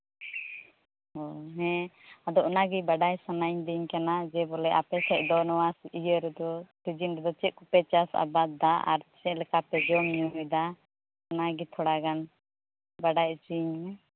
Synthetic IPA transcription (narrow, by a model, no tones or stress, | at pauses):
ɔɦɛ̃ad̪ɔʔɔnaɡibaɖajsanaɲd̪iɲkanad͡ʒɛbɔlɛʔapɛsɛc̚ˀd̪ɔnɔwasiʔijəɾɛd̪ɔpid͡ʒinɾɛd̪ɔt͡ʃɛʔ̚kupɛt͡ʃasa̰bad̪aʔa̰ɾt͡ʃɛʔlɛkapɛd͡ʒɔmɲud̪a | ɔnaɡit̪ʰɔɽaɡan | baɖajt͡ʃiɲmɛ